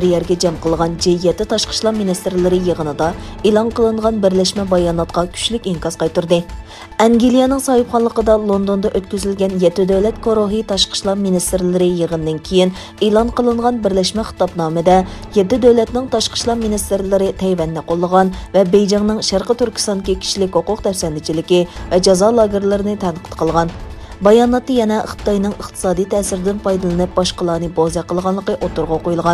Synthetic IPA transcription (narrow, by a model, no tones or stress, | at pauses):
ɾjɛɾɡʲɛd͡ʒɛmqʰəlˠʁɑnd͡ʒɛjɛt̪ːɪt̪ʰɑʃqə̥ʃlˠɑqminist̪ɪɾlɪɾɨjəʁənɨd̪ɑ | elˠɑŋqəlˠɨɴʁɑnbɪɾlɛʃmɛbɑjɑːnɑt̪̚qɑkʲʰy̥ʃlykʲiŋkɑzqʰɑjt̪uɾd̪ɨ | ɛŋɡʲilijɑnɨŋsɑhəpχɑnlˠəqəd̪ɑlˠond̪ond̪ɑʔøt̪kʲyzylɡʲɛnjɛt̪ːɪd̪øwlɛt̪kʰoɾoɦit̪ʰɑʃqʰə̥ʃlˠɑminist̪ɾlɪɾɨjəʁənd̪ɪnkʲʰejin | elˠɑnqʰəlˠɨɴʁɑnbɪɾlɛʃmɛχə̥t̪ɑpnɑːmɨd̪ɛjɛt̪ːɪd̪æwlɛt̪nɪŋt̪ʰɑʃqʰə̥ʃlˠɑminist̪ɪɾlɪɾɪt̪ʰɛjvɛnːɪqʰolˠːəʁɑnvɛbejd͡ʒɛŋnɨŋʃæɾqət̪yɾkʲʰi̥st̪ɑnd̪ɨkʲikʲʰi̥ʃlɪkʲhoqʊqt̪ʰɛfsɛnd̪ɪt͡ʃʰilɪkʲivɛd͡ʒɑzɑlˠɑːɡʲɪɾlˠɪɾɪnɨt̪ʰɛnqʰə̥t̪qʰəlˠʁɑnbɑjɑːnɑt̪ːɨjɛnɛə̰χt̪ɨ̥t̪ɑjnɨŋəχt̪ʰɨ̥sɑːd̪ijt̪ʰɛːsɪɾɪd̪ɪnpɑjd̪ɨlˠɨnɨp̚bɑʃqəlˠɑːnɨbozɛqʰəlˠʁɑnlˠəqəʔot̪uɾʁɑqojulˠʁɑn